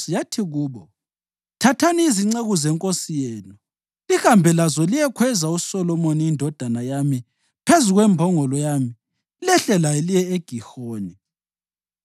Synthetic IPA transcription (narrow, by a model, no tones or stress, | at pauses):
jatʰiɣuːβɔ | tʰatʰaniiziŋ͡ǀeɣuzɛŋkʼosijɛːnu | lixambʱɛlazɔlijɛkʰwɛzausɔlɔmoniindʱɔd̥ʱanajami | pʰezuɣwɛmbʱɔŋɔlɔjami | lɛɬɛlaelijɛeɡ̥ʱixoːni